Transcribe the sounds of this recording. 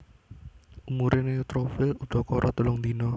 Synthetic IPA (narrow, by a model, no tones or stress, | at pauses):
umuɾʔɪnet̪ɾofɪlud̪̥ɔ̤kɔɾʔɔt̪ulɔŋd̪inɔ